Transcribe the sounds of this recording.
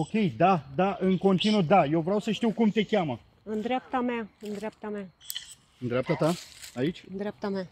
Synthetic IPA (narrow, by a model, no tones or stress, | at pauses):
o̞kʲe̞jd̪ad̪aʔɨnko̞nt̪inud̪aje̞wvɾawsəʃt̪iwkumt̪e̞kʲamə | ɨnd̪ɾeap̚t̪amaɨnd̪ɾeap̚t̪ama | ɨnd̪ɾeap̚t̪at̪aait͡ʃʲɨnd̪ɾap̚t̪ama